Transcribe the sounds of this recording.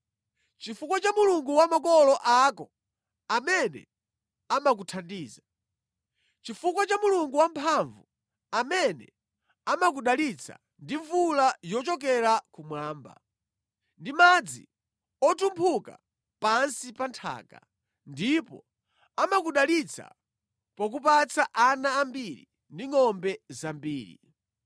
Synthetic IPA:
t͡ʃifukwat͡ʃamuluŋɡuwamakɔlɔʔakɔ | amɛnɛ̰ | amakutʰandiːza | t͡ʃifukwat͡ʃamuluŋɡuwampʰaɱvu | amɛnɛ̰ | amak̬uɗalit͡sʰa̰ | ndiɱvulajɔt͡ʃɔk̬ɛɾakumwaːmba̰ | ndimad͡zḭ | ɔtumpʰuka̰ | pansipantʰa̰ːka̰ | ndipɔ̰ | amak̬uɗalit͡sʰa̰ | pɔk̬upat͡saʔanaːmbiɾḭ | ndiŋɔmbɛzambiːɾḭ

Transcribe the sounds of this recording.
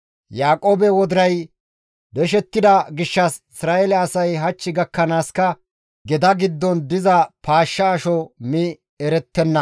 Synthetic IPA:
jaːkʼoːbɛwɔd̪ɪɾɐj | d̪ɛʃ̬ɛt̪ːɪd̪ɐɡɪʃːɐsɪsɾaːɛlɛɐsɐjɦɐt͡ʃːɪɡɐkːɐnaːskɐ | ɡɛd̪ɐɡɪd̪ːɔnd̪ɪzɐpaːʃːɐːʃɔmɪ | ɛɾɛt̪ːɛnːɐ

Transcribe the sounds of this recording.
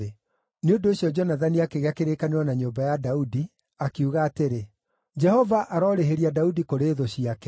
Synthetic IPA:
e | neondoːɕiɔd͡ʒɔnaðaniakeɣeakeɾekaneɾwɔnaɲoːmbajadaudi | akeuɣaːteɾe | d͡ʒɛhɔvaʔaɾɔɾeɦeɾiadaudikoɾeːðoɕiakɛ

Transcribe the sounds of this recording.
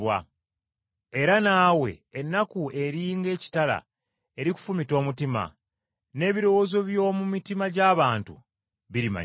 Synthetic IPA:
wa̰ | e̞ɾanaːwe̞̰ːnːakue̞ɾiːŋɡe̞ːci̥tala̰ | e̞ɾiku̥fumito̞ːmutima̰ | ne̞ːβiɾo̞wo̞zo̞βjo̞ːmumitimaɟaːβaːntṵ | βiɾima̰

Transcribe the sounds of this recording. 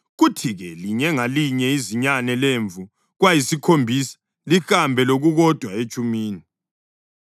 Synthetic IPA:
ɣutʰiɣɛliɲɛŋaliɲɛiziɲanɛleɱvʱu | ɣwajisikʰombʱisḁ | lixambʱɛloɣuɣɔd̥ʱwaet͡ʃʼumiːni

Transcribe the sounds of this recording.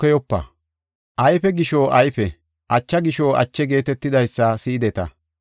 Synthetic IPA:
kːɛjɔpːɐ̰ | ʔɐjfɛɡɪʃoʔɐjfɛ | ʔɐt͡ʃːɐɡɪʃoɐ̰t͡ʃːɛɡe̞ːt̪ɛt̪ːɪd̪ɐjsːɐsɪːd̪ɛt̪ɐ̰

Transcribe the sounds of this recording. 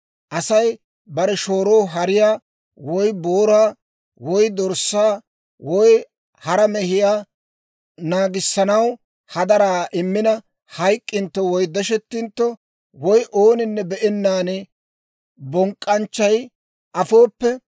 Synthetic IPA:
ʔɐsɐj | bɐɾɛʃoːɾo̞ːɦɐɾɪjaː | wɔjboːɾaː | wɔjd̪ɔɾsːaː | wɔj | hɐɾɐmɛhɪjaː | naːɡɪsːɐnɐw | hɐd̪ɐɾaːʔɪmːɪnɐ | hɐjkʼːɪnt̪ːɔwɔjd̪ɛʃɛt̪ːɪnt̪ːɔ | wɔjʔo̞ːnɪnːɛbɛʔɛnːaːnɛ | bɔŋkʼːɐnt͡ʃːɐj | ʔɐfo̞ːpːɛ

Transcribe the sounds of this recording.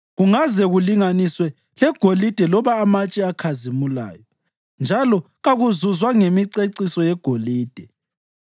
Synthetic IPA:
ɣuŋazɛɣuliŋaniswɛ | lɛɡ̥ʱolid̥ʱɛlɔβaːmat͡ʃʼiakʰazimula̰ːjɔ | nd͡ʒʱalɔ | ɣaɣuzuzwaŋemiǀeǀisɔjɛɡ̥ʱoliːd̥ʱɛ

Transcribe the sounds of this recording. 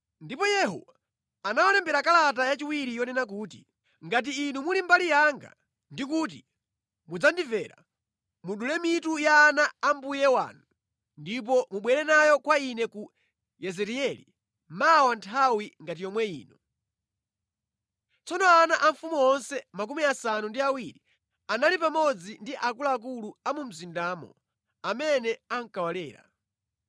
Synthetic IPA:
ndipɔjɛɦɔ̰wa | anawanɛmbɛɾakalat̬ajat͡ʃiwiɾijɔnɛnak̬uːti̥ | ŋɡat̬iːnumulimbalijaŋɡa̰ | ndikut̬i | mud͡zandivɛɾa̰ | muɗulɛmitujaːnaːmbujɛwa̰nu | ndip̬ɔmuɓwɛɾɛnajɔkwainɛku | jɛzɛɾiɛlḭ | mawantʰawiŋɡatijɔmwɛiːnɔ | t͡sɔnɔanaʔaɱfumuɔnsɛmak̬umiasanundiawiɾi | analipamɔd͡zindiʔakulaːk̬uluamum̩zindaːmɔ̰ | amɛnɛaŋkawalɛːɾa̰

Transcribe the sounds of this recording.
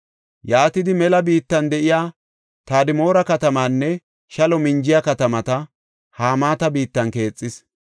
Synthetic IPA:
jaːt̪ɪd̪ɪmɛlɐbiːt̪ːɐnd̪ɛʔɪjaː | t̪aːd̪ɪmo̞ːɾɐkɐt̪ɐmaːnːɛ | ʃɐlɔmɪnd͡ʒɪjɐkɐt̪ɐmɐt̪ɐ | haːmaːt̪ɐbiːt̪ːɐnke̞ːt͡sʼːɪs

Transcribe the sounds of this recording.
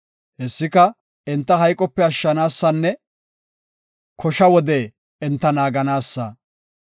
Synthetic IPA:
hɛsːɪkɐ | ɛnt̪ːɐɦɐjkʼɔpːɛɐʃːɐnaːsːɐnːɛ | kʰɔʃɐwɔd̪eː | ɛnt̪ːɐnaːɡɐnaːsːɐ̰

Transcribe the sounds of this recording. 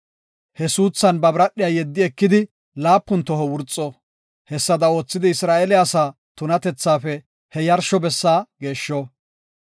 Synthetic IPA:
hɛsuːsːɐnbɐbɾɐɗːɪjaːjɛd̪ːɪɛkːɪd̪ɪ | laːpːʊnt̪ɔhɔwʊɾt͡sʼːɔ | hɛsːɐd̪ɐo̞ːt͡sːɪd̪ɪɪsɾaːʔɛlɪasaː | t̪ʊnɐt̪ɛt͡sːaːfɛ | hɛjɐɾʃɔbɛsːaːɡe̞ːʃːo

